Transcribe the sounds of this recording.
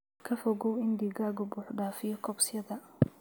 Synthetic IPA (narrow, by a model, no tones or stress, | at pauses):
kʰɐfɔɣɔwɪnd̪iɡaːɡʊbʊːħɖaːfɪjɔkʰɔbsɪjɐðɐ